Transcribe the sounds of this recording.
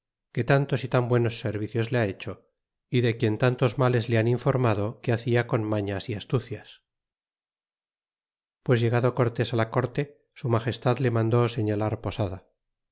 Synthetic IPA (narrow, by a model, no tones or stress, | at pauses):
ke̞t̪ant̪o̞sit̪ambwe̞no̞sːe̞ɾβiθjo̞zleae̞t͡ʃo̞ | iðekje̞nt̪ant̪o̞zmale̞zleaniɱfo̞ɾmaðo̞keaθiako̞nmaɲasiast̪uθjas | pwe̞zʝe̞ɣaðoko̞ɾt̪e̞salako̞ɾt̪e̞ | sumaχe̞st̪aðle̞mãnd̪o̞se̞ɲalaɾpo̞saða